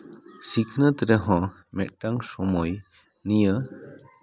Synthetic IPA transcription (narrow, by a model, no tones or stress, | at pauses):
sikʰnət̪ɾeɦɔ̃ | mɛt̪̚ʈaŋsɔmɔj | nijə